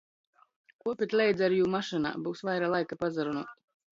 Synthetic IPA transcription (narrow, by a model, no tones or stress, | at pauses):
kuɔpʲet̪ʲlʲɛjd̪zaɾjuːmaʃɨna̰ːbuːsvajɾalˠajkapazaɾunuɔt̪